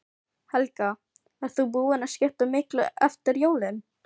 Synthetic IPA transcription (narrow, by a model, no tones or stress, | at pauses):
hɛlka | ɛðθubuːɪnascɪht̪ʏmɪhklʏʔɛft̪ɪɾjoːwlɪn